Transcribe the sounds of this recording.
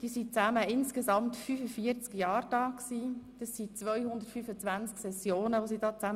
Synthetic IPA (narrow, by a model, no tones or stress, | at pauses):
d̥iːsit͡sæməɪnskesɑmtfyːfəfiəɾt͡skjɑːɾd̥ɑːksiːd̥ɑsːit͡sʋœjhʊnd̪ətfyːfət͡sʋænt͡sksɛsjoːnəʋosid̥ɑːt͡sæm